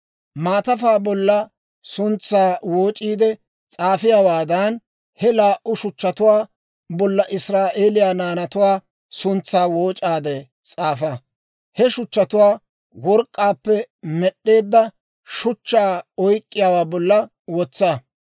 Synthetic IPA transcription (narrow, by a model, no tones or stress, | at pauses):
maːt̪ɐfaːbɔlːɐ | sʊnt͡sːaːwoːt͡ʃʼiːd̪ɛ | t͡sʼaːfɪjaːwaːd̪ɐn | hɛlaːʔʊʃʊt͡ʃːɐt̪ʊwaː | bɔlːɐʔɪsɾaːʔeːlɪjaːnaːnɐt̪ʊwaː | sʊnt͡sːaːwoːt͡ʃʼaːd̪ɛ | t͡sʼaːfɐ | hɛʃʊt͡ʃːɐt̪ʊwaː | wɔɾkʼːaːpːɛmɛɗːe̞ːd̪ːɐ | ʃʊt͡ʃːaːɔjkʼːɪjawaːbɔlːɐ | wɔt͡sːaː